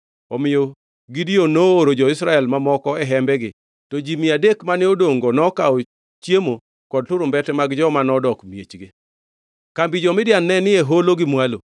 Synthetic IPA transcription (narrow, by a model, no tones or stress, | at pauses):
ɔmɪjo | ɡidionoːɾod͡ʒɔɪsɾaɛlmamɔkɔɛɦɛmbɛɡɪ | tɔd͡ʒimɪadekmanɪodoŋɡonɔkao | t͡ʃjemo | kɔd̚tʊɾʊmbɛtɛmaɡd͡ʒɔmanɔdɔkmjet͡ʃɡe | kambid͡ʒɔmɪdjanːɛnɪeɦoloɡɪmwalo